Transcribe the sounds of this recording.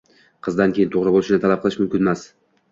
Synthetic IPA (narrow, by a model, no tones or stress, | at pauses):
qʰɨzd̪ankʲʰejɪnt̪ʰoʁɾɨbolˠɪʃɪnɪt̪alˠap̚qəlˠɪʃmʊmkʲɪnemas